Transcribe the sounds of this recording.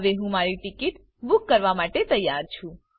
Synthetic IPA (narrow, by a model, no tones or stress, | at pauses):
ʋeɦũmaɾiʈikit̪ | bʊkːəɾʋamaʈet̪əjːaɾt͡ʃʰũ